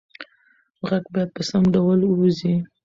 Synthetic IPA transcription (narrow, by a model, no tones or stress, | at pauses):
ɣaɡbɑjad̪̚pəsamɖawəlzi